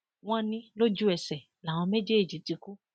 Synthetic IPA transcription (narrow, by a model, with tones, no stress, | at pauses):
w̃ɔ̃˦nĩ˦lo˦d͡ʒu˦ɛ˨sɛ˨ | la˨w̃ɔ̃˧me˦d͡ʒe˦e˦˨d͡ʒi˨˦ti˧ku˦